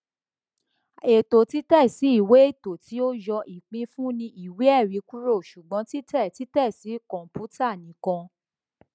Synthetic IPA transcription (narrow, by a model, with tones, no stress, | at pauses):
e˨to˨ti˨˦tɛ˦˨si˨˦i˦˨we˨˦e˦˨to˨ti˨˦o˦jɔ˧ʔi˨k͡pĩ˧fũ˦nĩ˧ʔi˨we˨˦ɛ˦˨ɾi˨˦ku˦ɾo˦˨ʃu˨ɡ͡bɔ̃˨˦ti˦tɛ˦˨ti˨˦tɛ˦˨si˨˦kɔ̃˨mpu˦ta˦˨nĩ˨˦kã˧